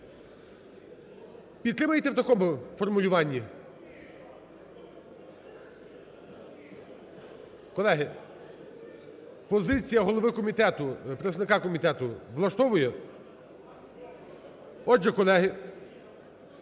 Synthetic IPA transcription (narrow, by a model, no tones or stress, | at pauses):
pʲid̪t̪ːɾɪmɐjt̪ɛwt̪ɐkɔmʊfɔrmʊlʲʊʋɑnʲːi | kɔlˠɛɦɪ | pɔzɪt͡sʲijɐɦɔlˠɔʋɪkɔmʲit̪ɛt̪ʊpɾet̪sɐnɪkɑkɔmʲit̪ɛt̪ʊʋlˠɐʃt̪ɔʋʊjɛ | ɔʒɛkɔlˠɛɦɪ